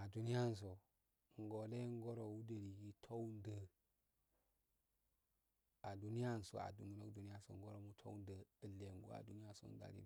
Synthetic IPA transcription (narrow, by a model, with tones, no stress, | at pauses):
a˨du˦ni˦ja˦n˨s̬o˨ | ŋ˨ɡo˨le˦ŋ˦ɡo˦ɾo˨wu˦də˨ɾi˨ɡi˦tʰo˦wndə˦ | a˨du˦ni˦ja˦˨n˨so̰˨a̰˨dṵ˨ŋɡno˦du˨ni˦a˦so̰˨ŋ˦ɡo˦ɾo˨mu˦tʰo̰˦wndə˨ə˨lːe˨ŋ˦ɡo̰˦a̰˨du˦ni˦ja˦so̰˨n˦da̰˨ɾḭ˦